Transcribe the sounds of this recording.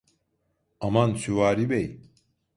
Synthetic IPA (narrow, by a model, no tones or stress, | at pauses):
amansyvaːɾibej